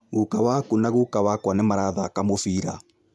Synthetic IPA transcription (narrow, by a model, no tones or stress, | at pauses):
ɣukawakunaɣukawakwanemaɾaðaːkamofiːɾa̰